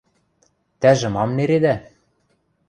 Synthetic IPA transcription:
t̪æʒɘ̆mɑmneɾed̪æ

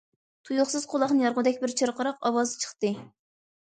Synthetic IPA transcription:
t̪ʰujʊχsɨz̥qʰolˠɑχnɨjɑɾʁʊd̪ɛkʲbɪɾt͡ʃʰɨɾqʰəɾɑqɑwɑzɨt͡ʃʰə̥χt̪ɨ

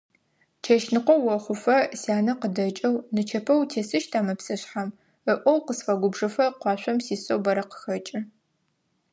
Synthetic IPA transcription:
t͡ʃʰɐʃnɨqʷɔwɐχʷʊfɐsaːnɐqədɐt͡ʃʼɐwnɨt͡ʃʰɐpʰɐwtʰeːsɨʃtʰaːmɐpsɨɕħam | əʔʷɔwqəsfɐɡʷʊbʐɨfɐqʷɑːɕʷɐmsiːsowbɐɾɐqə̥xɐt͡ʃʼɪ

